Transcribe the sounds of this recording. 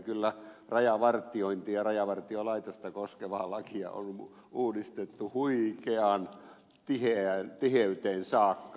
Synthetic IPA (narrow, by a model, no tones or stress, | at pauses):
kylːærɑjɑʋɑrt̪ˑioint̪iːɑrɑjɑʋɑrt̪iolɑit̪ost̪ɑkoskeʋɑːlɑkiɑ̰o̰n | uːdist̪et̪ːuhuikeɑːn | t̪iheænt̪iheyt̪eːnsɑːkːɑ